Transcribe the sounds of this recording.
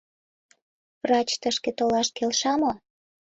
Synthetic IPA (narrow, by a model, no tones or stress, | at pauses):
vrɑt͡ɕt̪əʃket̪olɑʃkelʃɑmo